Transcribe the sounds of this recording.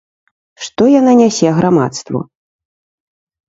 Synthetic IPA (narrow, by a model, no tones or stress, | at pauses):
ʂt̪ɔjananʲasʲɛɣɾama̰t̪st̪vṵ